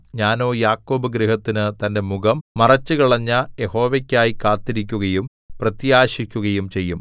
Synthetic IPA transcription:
ɲaːno̞ːjaːkːo̞ːbɨɡɾiɦɐt̪ːinɨt̪ɐnde̞muɣɐmmɐrɐt͡ɕːɨkiɭɐɲːɐje̞ho̞ːʋekʲːaːjikːaːt̪ːiɾikʲːuɣɐjum | prɐt̪jaːɕikʲːuɣɐjumt͡ɕe̞jːum

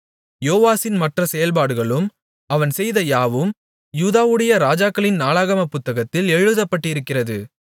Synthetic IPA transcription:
joːʋaːsɪnmɐʈrɐsɛjɐlpaːɽɯɣɐɭɯm | ɐʋɐnsɛjðɐjaːʋɯm | juːðaːʋɯɽɐjɐɾaːd͡ʒaːkːɐɭɪnnaːɭaːɣɐmɐpːʊt̪ːɐɣɐt̪ːɪlɛɻɯðɐpːɐʈːɪɪɾɯkːɪrɐðɯ

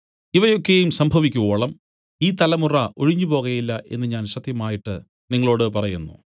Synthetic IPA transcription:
iʋɐjo̞kːe̞jumsɐmbʱɐʋikʲːuɣoːɭɐm | iːt̪ɐlɐmurɐʔo̞ɻiɲːupo̞ːɣɐjilːɐʔe̞nːɨɲaːnɕɐt̪jɐmaːjiʈːɨ | niŋːɐɭo̞ːɽɨpɐrɐjunːṵ

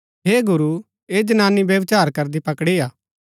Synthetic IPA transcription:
ɦeːɡʊɾu | eːd͡ʒɐnaːnibjɐʋt͡ʃaːɾkɐɾd̪ipɐkɽiaː

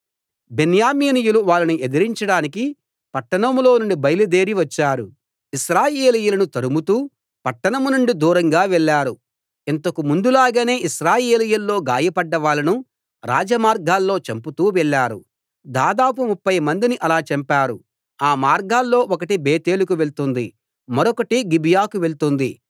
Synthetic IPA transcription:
benjaːmiːnijuluʋaːlːɐnuʔed̪ɐɾiɲt͡ʃɐɽaːniki | pɐʈːɐɳɐmlo̞ːnuɳɖibɐjɐlud̪e̞ːɾiʋɐt͡ʃːaːɾu | iʃɾaːjeːlijulɐnut̪ɐɾumut̪uː | pɐʈːɐɳɐmunuɳɖid̪uːɾɐŋɡaːʋɛɭːaːɾu | int̪ɐkumund̪ulaːɡaːne̞ːʔiʃɾaːjeːlijulːo̞ːɡaːjɐpɐɖːɐʋaːɭːɐnu | ɾa̰ːd͡ʒɐmaːɾɡaːlːo̞ːt͡ʃɐmput̪uːʋɛɭːaːɾṵ | d̪aːd̪aːp̬umupːɐjmɐnd̪iniʔɐlaːt͡ʃɐmpaːɾu | aːmaːɾɡaːlːo̞ːɔkɐʈibeːt̪e̞ːlukuʋe̞ɭt̪und̪i | mɐɾɔkɐʈiɡibijaːkuʋeɭt̪und̪i

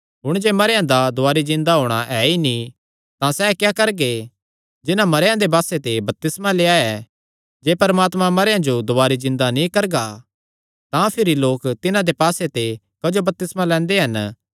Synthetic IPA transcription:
ɦʊɽ̃d͡ʒeːmɐɾjãd̪ad̪ʊaːɾizɪ̃nd̪aɦoːɽ̃aʔɛːinĩ | t̪ãsɛːkjaːkɐɾɡe | d͡ʒɪnãmɐɾjãd̪ebaːset̪ebɐp̚t̪ɪsmaleːaɛ | d͡ʒeːpɐɾmaːt̪mãmɐɾjãd͡ʒod̪ʊaːɾizɪ̃nd̪anĩkɐɾɡa | t̪ãpʰɪɾiloːkt̪ɪnãd̪epaːset̪e | kɐd͡ʒobɐp̚t̪ɪsmãlɛ̃ːnd̪eɦɐn

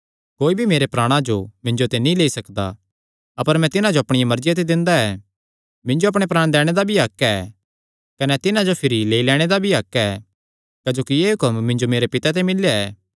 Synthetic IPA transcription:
koːibʱimeːɾepɾaːɽ̃ãd͡ʒomɪ̃ɲd͡ʒot̪enĩleːisɐkd̪a̰ | ɐpəɾmɛ̃t̪ɪnãd͡ʒoɐpɽ̃ɪjamɐɾd͡ʒjat̪̬ed̪ɪ̃nd̪aɛ | mɪ̃nd͡ʒoɐp̬ɽ̃epɾaːɽ̃d̪ɛːɽ̃ed̪abʱiaːkːɛɛ | kɐnɛt̪ɪnãd͡ʒopʰɪɾileːilɛːɽ̃ed̪abʱiakːɛɛ | kɐd͡ʒoːkijeːɦʊkəmːɪ̃ɲd͡ʒomeːɾepɪt̪at̪̬ɛmɪlːjaɛː

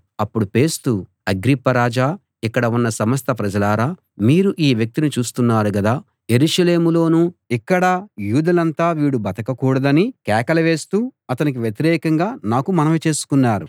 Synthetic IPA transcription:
ɐpːuɽupe̞ːst̪u | ɐɡɾipːɐɾaːd͡ʒaː | ikːɐɽɐunːɐsɐmɐst̪ʰɐpɾɐd͡ʒɐlaːɾaː | miːɾuʔiːʋjɐk̚t̪init͡ʃuːst̪unːaːɾuɡɐd̪aː | je̞ɾuʂɐle̞ːmulo̞ːnuːikːɐɽɐjuːd̪ɐlɐnt̪aːʋiːɽubɐt̪ɐkɐkuːɽɐd̪ɐnikɛːkɐlɐʋe̞ːst̪uːɐt̪ɐnik̬iʋjet̪iɾɛːkɐŋɡaːnaːkumɐnɐʋit͡ʃe̞ːsu̥kunːaːɾu

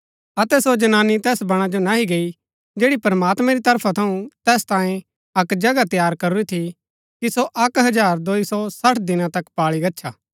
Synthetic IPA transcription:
ɐt̪ɛsod͡ʒɐnaːnːit̪ɛːsbɐɽ̃ãd͡ʒonaɦiɡeːi | d͡ʒeːɽipɐɾmaːt̪mɛ̃ɾit̪ɐɾpʰat̪ʰɐũt̪ɛːst̪ãːẽ | ɐkd͡ʒɐɡat̪jaːɾkɐɾuɾit̪ʰi | kisoʔɐkɦɐd͡ʒaːɾd̪oːisɔsɐʈʰd̪ɪnãt̪ɐkpaːɭiɡɐtːʃʰa̰ː

